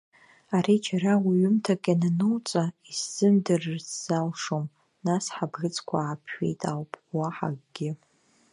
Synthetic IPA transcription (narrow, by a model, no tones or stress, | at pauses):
aɾit͡ʃʰarawiɥʏmtʰaɡʲʼananɨwt͡sʼaizz̥ɨmdɨrɨrsz̥alʂom | nasħabɡɨt͡sʰʼkʷʰaːpʰʃḛjtʼawpʼwaħa̰ɡʼɡʲɪ